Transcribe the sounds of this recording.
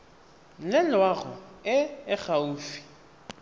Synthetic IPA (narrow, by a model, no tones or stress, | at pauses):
lɪlwaɣʊ̰ɪɪɣauːfi̥